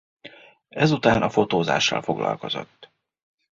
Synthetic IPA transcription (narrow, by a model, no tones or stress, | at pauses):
ɛzut̪aːnʔɒfo̞t̪oːza̰ːʃːɒlfo̞ɡlɒ̰lko̞zo̞t̪ː